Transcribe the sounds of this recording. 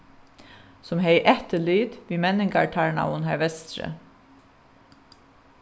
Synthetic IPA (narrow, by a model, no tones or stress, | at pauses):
sɔmɦeɪʔɛht̪əlyːd̪̥ʋiːmɛnɪŋkaɹʈʰaɹɳa̰ʊnhæɹʋɛst̪ɾə̰